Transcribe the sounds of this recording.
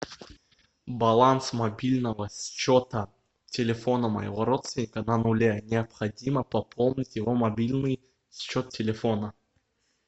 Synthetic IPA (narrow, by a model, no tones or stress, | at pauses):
bɐlˠansmɐbʲilʲnəvəsʲt͡ɕot̪ə | tʲɪlʲɪfonəmə̰jɪ̰voɾot̪st̪ʲɪnʲɪkənɐnʊlʲenʲɪɐpxɐdʲiməpɐpʰolˠnʲɪtʲjɪvomɐbʲilʲnɨj | sʲt͡ɕot̪tʲːɪlʲɪfonə